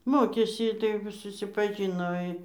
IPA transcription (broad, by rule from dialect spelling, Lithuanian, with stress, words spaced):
ˈmoːkʲeːsʲɪ tɐɪ jɛʊ sʊsʲɪpɐˈʒʲɪnoː ɪ